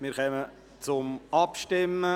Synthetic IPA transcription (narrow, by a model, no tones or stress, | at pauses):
mɪɾχɛmə | t͡sʊmɑpʃtɪmə